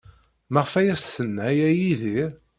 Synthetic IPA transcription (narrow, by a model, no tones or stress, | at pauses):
mæʁəfæjæst̪θənːæjæjiðiɾ